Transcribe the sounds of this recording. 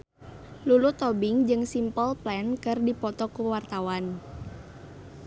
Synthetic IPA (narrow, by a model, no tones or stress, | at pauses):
lulut̪ɔbiŋd͡ʒɨŋsimpɔlplɛnkɨrdipɔt̪ɔkuwart̪awan